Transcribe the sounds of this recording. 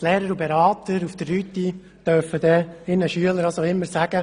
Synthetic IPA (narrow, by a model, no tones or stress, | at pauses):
tlɛːɾəɾubɛɾɑːt̪əɾufd̥ərːyt̪ːi | tœɾfəd̥̪ɛɪnəʃyələɾɑsoɪmːəɾsæɡ̥ə